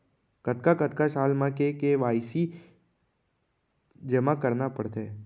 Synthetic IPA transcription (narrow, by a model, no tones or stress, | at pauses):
kət̪kakət̪kaʃaːlmãkekeʋaːjsi | d͡ʒəmãkəɾnapəɽt̪eː